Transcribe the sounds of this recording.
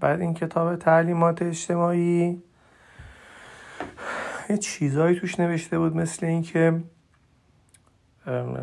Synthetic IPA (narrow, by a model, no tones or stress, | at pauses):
b̥æɾincʰet̪ʰɒːbe̞t̪ʰæliːmɒːt̪ʰeːt͡ʃt̪e̞mɒːiː | jet͡ʃʰiːzɒːjiːt̪ʰuːʃne̞ve̞ʃt̪e̞buːd̪me̞sle̞iːncʰe̞